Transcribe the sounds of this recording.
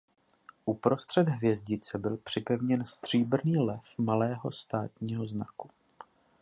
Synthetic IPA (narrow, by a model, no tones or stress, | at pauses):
ʔupɾo̞st̪r̥ɛd̪ɦvjɛzɟɪt͡sɛbɪlpr̝̥ɪpɛvɲɛnst̪r̝̥iːbr̩niːlɛfmalɛːɦo̞̰st̪aːt̪ɲiːɦo̞znaku̥